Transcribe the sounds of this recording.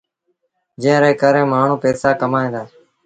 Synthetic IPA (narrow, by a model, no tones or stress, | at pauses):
d͡ʒẽːɾeːkəɾẽːmaːɳ̤ũːpeːsaːkəmaːẽːd̪aː